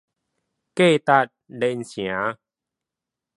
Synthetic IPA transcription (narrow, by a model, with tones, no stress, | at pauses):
keː˥˩˨t̪a˧˩t̪̚de˧˨nsi˨˩˦ə˦